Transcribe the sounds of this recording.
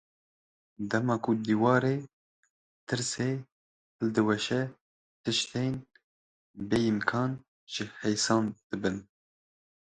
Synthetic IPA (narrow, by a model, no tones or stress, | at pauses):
d̪ɛmɑːkʰud̪iːwɑːɾeː | t̪ʰɨɾseː | hɨld̪ɨwɛʃɛ | t̪ɨʃt̪en | beːimkʰɑːn | ʒ̥ɨhɛjsɑːnd̪̥ɨbɨn